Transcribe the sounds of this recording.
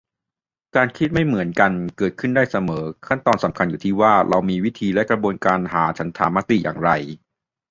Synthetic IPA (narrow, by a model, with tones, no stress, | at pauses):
kaː˧nkʰi˦˥t̪̚ma˥˩jmɯ˩˦ənka˧nkɤː˨˩t̪̚kʰɯ˥˩ndaː˥˩jsa˧mɤː˩˦kʰa˥˩nt̪ɔː˧nsa˩˦mkʰa˧njuː˨˩t̪ʰiː˥˩waː˥˩ɾʔa˧wmiː˧wi˦˥t̪ʰiː˧lɛ˦˥ʔkɾa˧bu˧ənkaː˧nɦa̰ː˩˦t͡ɕʰa˦˥nt̪ʰa̰ː˨˦mːa˦˥t̪ḭ˨˩jʔa̰ː˨˩ŋɾa˧j